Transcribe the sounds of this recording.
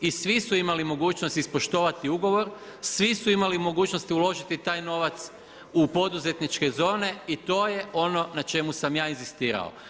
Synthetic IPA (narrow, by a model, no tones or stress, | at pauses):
isʋisuimalimo̞ɡuːt͡ʃnost̪ispo̞ʃt̪o̞ːʋat̪iuɡo̞ʋo̞ɾsʋisuimalimo̞ɡuːt͡ʃnost̪iulo̞ʒit̪it̪aːjno̞ʋat̪s | upo̞d̪uze̞t̪nit͡ʃke̞zo̞ːne̞it̪o̞ːje̞ʔo̞no̞nat͡ʃe̞musamjaːinzist̪iːɾa̰o̰